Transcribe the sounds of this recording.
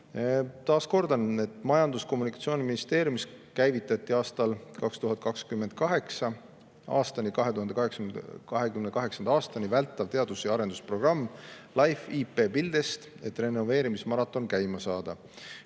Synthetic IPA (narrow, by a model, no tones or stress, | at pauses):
t̪ɑːsko̞rd̪̥ɑne̞t̪ːˑmɑjɑnd̪usko̞mːunikˑɑ̥t̪sio̞ːnʲiminist̪e̞ːɾʲjumiskæjvit̪ːˑɑt̪ːˑiɑːst̪ɑlkɑkst̪uɦɑtd̪̚ˑkɑkskymːend̪̚kɑɦe̞ksɑ | ɑ̰ːst̪ɑnʲikɑɦeuɦɑnd̪ekɑɦekskɑɦe̞kymnekɑɦe̞ksɑnd̪ɑɑːst̪ɑnʲivælt̪ːˑɑvt̪e̞ɑd̪usjɑɑɾe̞nd̪uspro̞ɡ̥rɑmːlɑjfiːpe̞ːpild̪̥est̪ | e̞t̪ːˑre̞no̞ve̞ːɾimismɑɾɑt̪ːˑo̞nkæjmɑsɑːd̪̥ɑ